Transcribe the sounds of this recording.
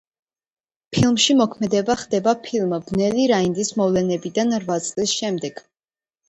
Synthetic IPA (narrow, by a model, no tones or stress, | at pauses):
pʰilˠmʃimɔkʰmɛd̪ɛbaχd̪̥ɛbapʰilˠmb̥nɛliɾaind̪ismɔvlɛnɛbid̪anɾvat̪sʼlisʃɛmd̪ɛɡ̥